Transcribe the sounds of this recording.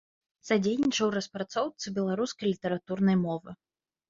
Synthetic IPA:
z̥ad͡zʲejnʲit͡ʂɐwrɐspɾat̪sɔwt̪sɨbʲɛlˠaɾuskɐjlʲit̪ɛɾat̪urnɐjmɔvɨ

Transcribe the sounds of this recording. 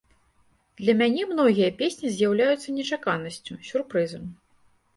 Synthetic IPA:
d̪̥lʲɐmʲanʲɛmn̪ɔɣʲijɐpʲesʲnʲizʲjawlʲajut̪sːɐnʲɛt͡ʂakanɐsʲt͡sʲusʲurpɾɨzɐmʲ

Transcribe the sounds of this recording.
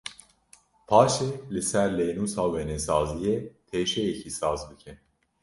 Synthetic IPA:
pʰɑːʃeːlɨsæɾlejnuːsɑːwɛnɛsɑːzijet̪ʰeːʃɛjɛcʰisɑːzbɨkʰɨn

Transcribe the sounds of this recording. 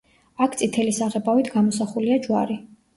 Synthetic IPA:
akʰt̪sʼit̪ʰɛlisaʁɛbavit̪ʰɡamɔsaχuliad͡ʒwa̰ɾi

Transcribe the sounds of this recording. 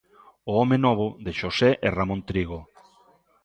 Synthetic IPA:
ʊɔmenɔβ̞ʊðeʃosɛʔeramõnt̪ɾiɣo

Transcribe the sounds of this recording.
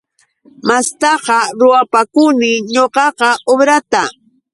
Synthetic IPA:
mast̪ɑqɑɾʊwapakʊnɪɲoqɑqɑʔobɾat̪a

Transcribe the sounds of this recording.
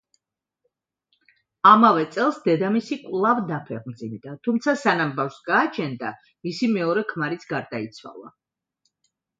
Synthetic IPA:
amavɛt̪sʼɛlˠsd̪ɛd̪amisikʼwlˠavd̪apʰɛʁmd̪zimd̪at̪ʰumt̪sʰasanambafsɡaːt͡ʃʰɛnd̪a | misimɛɔɾɛkʰmaɾit̪sʰɡaɾd̪ait̪sʰwa̰lˠa̰

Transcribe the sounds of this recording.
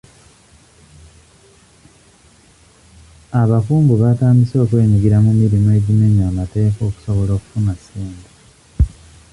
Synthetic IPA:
aβafuːmbuβataːmbiso̞ːkwe̞ːɲiɡiɾamumiɾimoe̞ɟimeɲamate̞ːko̞ːku̥so̞βolo̞ːku̥funasiːnda

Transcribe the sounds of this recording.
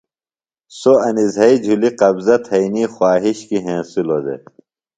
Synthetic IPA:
soɐnizɐid͡ʑʱuliqɐbzɐt̪ʰɐiniːxwaːɦiɕkiɦẽːsulod̪ḛ

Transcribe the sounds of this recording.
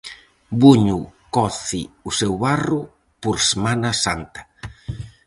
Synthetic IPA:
buɲukɔθɪusewβarʊ | poɾsemanasant̪ɐ̥

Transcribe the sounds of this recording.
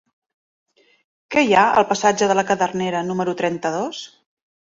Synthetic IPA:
kɛjaə̰lˠpəsad͡ʒəðələkəðərneɾənuməɾut̪ɾɛnt̪əðos

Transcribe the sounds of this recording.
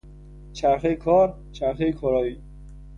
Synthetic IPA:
t͡ʃʰæɾxejkʰɒːɾ | t͡ʃʰæɾxejkʰoɾɒːjiː

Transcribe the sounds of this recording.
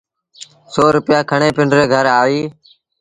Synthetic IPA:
soːɾʊpɪjaːkʰəɳeːpɪɳɖɾeːɡʱəɾaːiː

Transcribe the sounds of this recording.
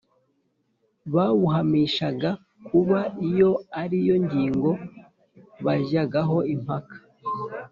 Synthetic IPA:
βaβuɦamiːʃaɡa | kʰuβaijo̞aɾijo̞ɲɟiːŋɡo̞ | βaʒaɡaɦo̞im̥akḁ

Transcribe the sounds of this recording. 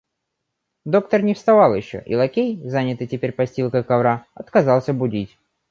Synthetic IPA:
d̪o̞kt̪ərnʲɪfst̪ɐvɑlˠjɪɕːo̰ʔḭlˠɐkʲejzanʲɪt̪ɨjtʲɪpʲeɾʲpɐsʲtʲilˠkəkɐvɾaɐt̪kɐzɑlˠsʲəbʊdʲitʲ

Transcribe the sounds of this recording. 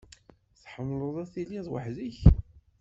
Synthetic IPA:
θħəmːləðˤæθiliðˤwə̰ħðiç

